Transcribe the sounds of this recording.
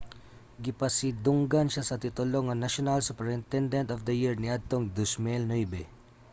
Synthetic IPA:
ɡɪpɐsid̪ʊŋɡanʃasɐt̪ɪt̪ʊloŋːɐnaʃonalsʊpɛɹɪnt̪ɛnd̪ɐnt̪ɔfd̪ɐjiɹniʔad̪̚t̪oŋd̪ʊsmɛlnɔjbɛ

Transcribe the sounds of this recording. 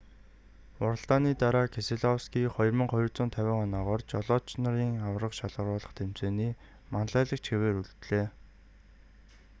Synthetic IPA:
ʊɾə̆ɮt̪aːniːt̪aɾaːkʰeseɮɔwskiːχɔjrmə̆ŋχɔj̆rt͡sʊːnt̪ʰæwʲɪ̆ːŋɔnɔːʁɔːrt͡ɕɔɮɔːt͡ɕnaɾiːŋawrə̆qʃaɮʁə̆rʊːɮə̆χt̪ʰem̥t͡seːniː | manɮæːɮə̆k̚t͡ɕxeweːɾuɮt̪ɮeː

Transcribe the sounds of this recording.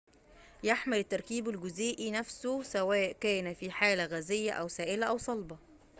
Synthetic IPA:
jaħmɪlɪt̪ːɑɾˤkiːbælɡʊzeːʔinæfsʊsæwæːʔkæːnæfiːħaːlæɣæːzɪjːæʔæwsæːʔɪlæʔæwsˤɑlbɑ

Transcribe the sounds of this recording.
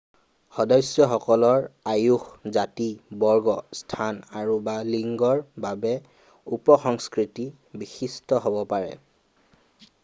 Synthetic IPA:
xɔdɔjsjɔxɔkɔlɔɹajuxzatibɔɹɡɔstʰanaɹubaliŋɡɔɹbabɛ | upɔxɔŋskɹiti | bixistɔɦobɔpaɹɛ̰

